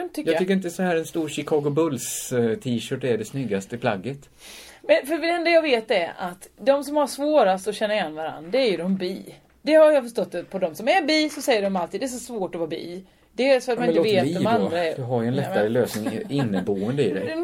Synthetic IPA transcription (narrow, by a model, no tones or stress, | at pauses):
nət̪ʰʏjɑːɡ̪ʰʏkːəɾɪnt̪əsɔhæːɾɛnst̪uːɾɕɪkʰɑːɡʊbɵlst̪ʰiːʃœːʈæɖɛsnʏɡːast̪əɪpʰla̰ɡːət̪ | mɛnfœɾɛnd̪ajɑːɡveːt̪ɛɾa̰t̪d̪ɔmsɔmhaʂvoːɾast̪ɔɕɛnːaɾɪjɛnːvaɾa̰nd̪ɾaæɾjɵd̪ɔmbiː | d̪̥ɛhaɾjafœʂʈɔt̪ːpʰɔd̪ɔmsɔmæɾbiːsɔsɛjːəɖɔmalt̪ʰiːd̪ɛs̬ɔsvoːʈɔvɑːbḭː | d̪̥ɛæɾsɔat̪mnɪoːəveːt̪ːɔmand̪ɾaɛɾɵɦaɾjaɛnlɛt̪ːaɾəløːsnɪŋɪnːəboːənd̪əɪd̪ɛ̰